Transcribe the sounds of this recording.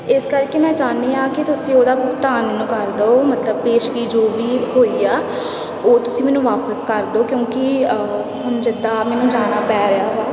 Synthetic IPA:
ɪskəɾkeːmɛ̃ːd͡ʒaːneːãːkɪt̪ʊsĩːoːd̪aːbʊɡt̪aːnmɛːnũːkəɾd̪eoːmət̪ləb̚peːʃkiːd͡ʒoːʋiːɦoːiːaː | oːt̪ʊsĩːmɛːnũːʋaːpəskəɾd̪oːkjõːkɪ | hʊnd͡ʒɪd̪aːmɛːnũːd͡ʒaːnaːpɛːɾeaːaː

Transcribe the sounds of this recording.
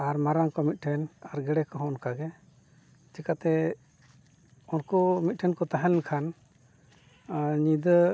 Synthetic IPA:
aɾmaɾaŋkɔmit̪̚ˀʈʰɛnaɾɡɛɽɛkɔɦɔ̃ɔnkaɡɛ | t͡ʃɛkat̪ɛ | unkɔmit̪̚ˀʈʰɛnkɔt̪aɦɛlɛnkʰan | ɲid̪ə

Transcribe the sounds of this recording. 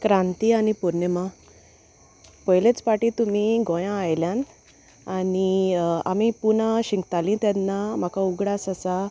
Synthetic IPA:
kɾãnt̪ianipuɾnəma | pəjlet͡spaʈit̪um̤iɡɔ̃jãajljãn | ania̰mipunaɕiŋɡt̪alĩt̪janːam̤akauɡɽasasa

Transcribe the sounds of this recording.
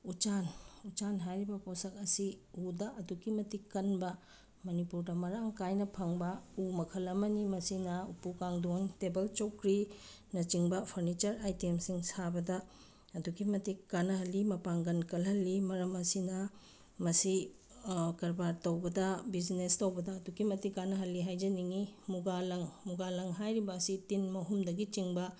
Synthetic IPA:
ut͡ʃanut͡ʃanɦajɾibɐposɐk̚ɐsiudɐʔɐduɡimɐtikːɐnbɐ | mɐnipuɾdɐmɐɾaŋkajnɐpʰɐŋbɐumɐkʰɐlɐmɐnimɐsinɐupukaŋdoŋtebɐlt͡ʃokɾi | nɐt͡ʃiŋbɐpʰɐɾnit͡ʃɐɾajtemsiŋsabɐdɐ | ɐduɡimɐtikkanɐɦɐlːimɐpaŋɡɐnkɐlɦɐlːimɐɾɐmɐsinɐ | mɐsi | kɐɾbaɾtɐwbɐdɐbid͡ʒnestɐwbɐdɐːduɡimɐtikːanɐɦɐlːiɦajd͡ʒɐniŋimuɡalɐŋmuɡalɐŋɦajɾibɐːsitinmɐɦumdɐɡit͡ʃiŋbɐ

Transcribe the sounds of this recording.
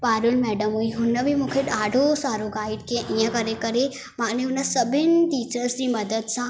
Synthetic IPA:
paːɾulmɛɖəmujɦunːəʋimukʰeʈaːɖʱosaːɾoɡaːiɖkẽʔĩjə̃kəɾekəɾe | maːneunəsəbʱinʈiːt͡ɕəɾsɾiməd̪əd̪sã

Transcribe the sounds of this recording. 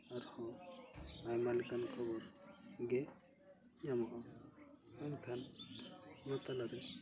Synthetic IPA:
aɾhɔ | ajmalikankʰɔbɔɾɡɛ | ɲamɔʔɔ | ɔnkʰan | mɔt̪alaɾɛ

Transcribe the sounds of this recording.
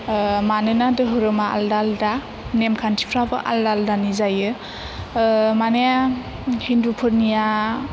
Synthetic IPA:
manɯnadɯɦɯɾɯmaa̰ldalda | nemkʰantʰi̥pʰɾabɯ̰ʔa̰ldaldanizajɯ | maneja | hindupʰɯt̚nija

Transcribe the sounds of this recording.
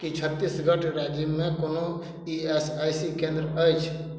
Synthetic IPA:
kit͡ʃʰət̪ːisɡʱəʈɾad͡ʒimekono | iesajsikẽnd̪ɾəəjt͡ʃʰ

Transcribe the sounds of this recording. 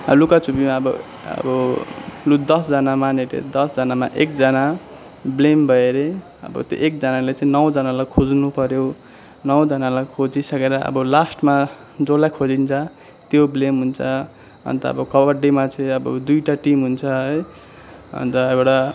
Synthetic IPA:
ʌlukat͡supimaʌbʌ̰ | ʌ̰bʌlud̪ʌsd͡zʌnamaneʈḛd̪ʌsd͡zʌnama̰ʔek̚d͡zʌna | blembʱʌeɾe | ʌ̰bʌ̰t̪jo̰ʔek̚d͡zʌnalet͡sãĩnʌwd͡zʌnalajkʰod͡znupʌɾjo | nʌwd͡zʌnalajkʰod͡zisʌkeɾʌʌ̰bʌlasʈma | d͡zolajkʰod͡zint͡sʰʌ | t̪joblemɦunt͡sʰʌ | ʌ̰nt̪ʌʌ̰bʌkʌbʌɖimat͡saĩʌbʌ̰d̪ujʈaʈimɦunt͡sʰʌʌj | ʌ̰nt̪ʌewʈa

